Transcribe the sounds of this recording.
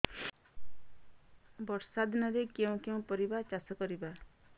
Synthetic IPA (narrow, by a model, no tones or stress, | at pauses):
bɔɾsad̪ʱnɔɾekeũkeũpɔɾibat͡ʃasɔkɔɾiba